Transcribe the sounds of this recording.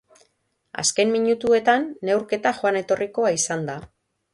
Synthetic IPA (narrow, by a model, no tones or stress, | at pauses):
a̰ske̞mmiɲut̪ue̞t̪anːe̞wɾke̞t̪aʝoane̞t̪o̞rʔiko̞aisand̪a